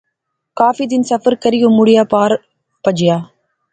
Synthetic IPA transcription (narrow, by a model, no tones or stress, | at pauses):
kaːfid̪ɪnsɐfɐɾkɐɾɪjɯmːʊɽɪjaːpaːɾ | pɐd͡ʒɪjaː